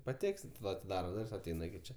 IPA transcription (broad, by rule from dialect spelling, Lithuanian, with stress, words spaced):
pɐˈtʲæːksʲɪt ˈʋɐ ɐtʲɪˈdɑːrɐ ˈdʊrʲsʲ ɐˈtʲɛɪnɐ ɪkʲɪ ˈt͡ʃʲɛ